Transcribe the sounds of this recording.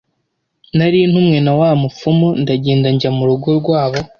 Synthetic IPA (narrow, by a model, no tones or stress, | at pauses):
naɾiːnhumŋe̞nawaːmufumundaɟeːndaɲɟamuɾuɡoɾɡwaːβo̞